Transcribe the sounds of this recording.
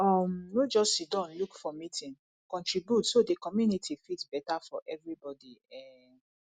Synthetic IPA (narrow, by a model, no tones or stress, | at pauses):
ɔmwed͡ʒɔsidɔ̃nlukfɔmitʰĩn | kɔ̃ntɹibjutsodekɔmjunitʰifitbɛtafɔʔɛvɹibɔdiɛ